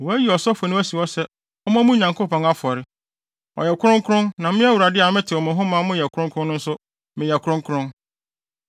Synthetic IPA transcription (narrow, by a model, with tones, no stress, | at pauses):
wɔ˨æ˦ji˨ɔ˨sɔ˦fɔ˨nʊ̃˦æ˦si˨ɔ˦sɛ˦ | ɔ˦mã˦mũ˦˨ɲã˨ŋkʰo˦pɔ̃˨ŋa˦fɔ˨ɾɪ˦ | ɔ̰˨jɛ˨kʰʊ˦ɾʊ̃˦ŋ˦kʰʊ˦ɾʊ̃˦nnã˨mɪ̃˦æ˦wu˨ɾa˨dɪ˦a˨mɪ̃˦tʰɪ˨ɔ˨mʊ̃˨ɦʊ̃˦mã˨˦mʊ̃˦jɛ˨kʰʊ˦ɾʊ̃˦ŋkʰɾʊ̃˦nː˦ʊ̃˦n̩˦sʊ˦ | mɪ̃˨jɛ˨kʰʊ˦ɾʊ̃˦ŋkʰɾʊ̃˦n